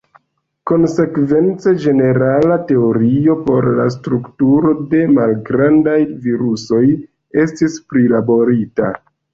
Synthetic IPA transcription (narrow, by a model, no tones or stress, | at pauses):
ko̞nse̞kve̞nt͡sed͡ʒe̞ne̞ɾalate̞o̞ɾio̞po̞ɾlastɾuktuɾo̞de̞malɡɾandajviɾuso̞j | e̞stispɾilabo̞ɾita̰